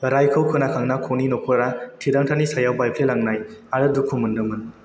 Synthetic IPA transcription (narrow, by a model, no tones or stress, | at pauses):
ɾajkʰɯwkʰɯnakʰaŋnakʰoninɔkʰɯɾatʰidaŋtʰanisajawbajpʰlelaŋnajaɾɯdukʰumɯndɯmɯn